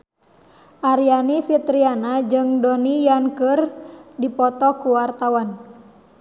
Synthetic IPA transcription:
ʔaɾianifit̪ɾianad͡ʒɨŋdɔnijankɨrdipɔt̪ɔkuwart̪awan

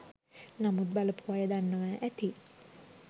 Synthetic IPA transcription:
namut̪̚baləpuʋajəd̪anːəʋaʔæt̪i

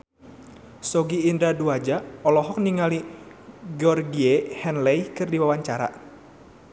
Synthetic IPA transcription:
sɔɡiːndɾaduad͡ʒaɔlɔɦɔk̚niŋali | ɡɔrɡiehɛnlɛjkɨrdiwawaɲt͡ʃaɾa̰

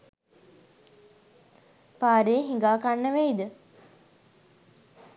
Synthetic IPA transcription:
paːɾejəɦiŋɡaːkanːəʋeid̪ə

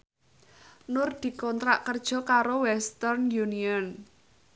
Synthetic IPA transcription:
nʊrd̪̥i̤kɔnt̪ɾaʔkərd̥ʒ̥ɔ̤kaɾowɛst̪ɛrnjuniɔn

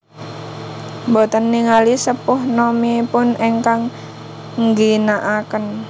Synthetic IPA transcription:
bot̪ənːiŋalisəpʊhnɔmipʊneŋkaŋ | ŋɡinaʔakən

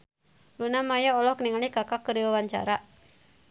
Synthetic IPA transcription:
lunamajaɔlɔhkniŋalikakakəɾiwawaɲt͡ʃa̰ɾa

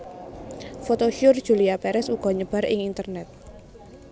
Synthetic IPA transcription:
fot̪oʃʊrd̥ʒ̥ṳliapɛɾɛsuɡ̥ɔ̤ɲəb̥a̤ɾɪ̰ŋint̪ərnɛt̪̚

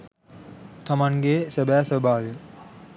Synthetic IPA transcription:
t̪ʰɐmaŋɡeːsəbæːsəbaːli

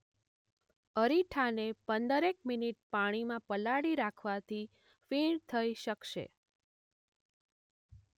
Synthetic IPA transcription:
əɾiʈʰanepənd̪əɾekminiʈ̚paɽ̃imãpəlaɽiɾakʰʋat̪ʰi | fiɳt̪ʰəiʃəkʃḛ

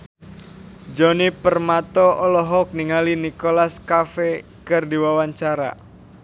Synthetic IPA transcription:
d͡ʒɔnipərmat̪ɔɔlɔɦɔk̚niŋalinikolaskafe | kɨrdiwawaɲt͡ʃaɾa̰

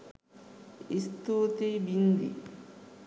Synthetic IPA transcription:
ist̪oːt̪ebind̪ḭ

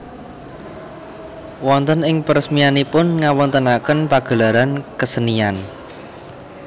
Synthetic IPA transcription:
wɔnt̪ənɪŋpərsmianipʊnŋawɔnt̪ənakənpaɡ̥ə̤laɾankəsənian

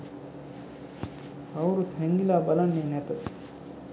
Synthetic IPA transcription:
awɾut̪ɦɛŋɡilaːbalanːenɛt̪ət̪

